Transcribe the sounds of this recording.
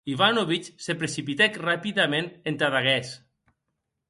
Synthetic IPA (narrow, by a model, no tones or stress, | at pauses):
iβanoβit͡ʃsepɾesipit̪ɛkrapiðamenent̪aðaɣɛs